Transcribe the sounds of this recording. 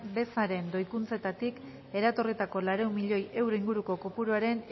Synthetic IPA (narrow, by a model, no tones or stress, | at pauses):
be̞saɾe̞nd̪o̞jkunt͡se̞t̪at̪ik | e̞ɾat̪o̞rit̪ako̞laɾewmiʎo̞je̞wɾo̞iŋɡuɾuko̞ko̞puɾuaɾe̞n